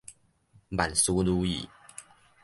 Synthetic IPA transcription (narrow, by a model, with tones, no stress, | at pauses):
ma˨˩nsu˦lu˦ḭ˨˩